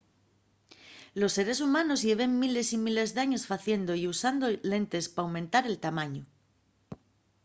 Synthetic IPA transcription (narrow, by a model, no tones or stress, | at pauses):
lo̞sːe̞ɾe̞sumanozʎeβ̞emmile̞simile̞zðaɲo̞sfaθje̞nd̪oiusand̪ole̞nt̪e̞spaːwmẽnt̪aɾe̞lt̪amaɲo